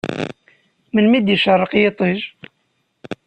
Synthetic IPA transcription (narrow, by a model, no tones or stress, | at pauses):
mənmid̪jiʃɑrˤːəqjɪt̪ˤəʒ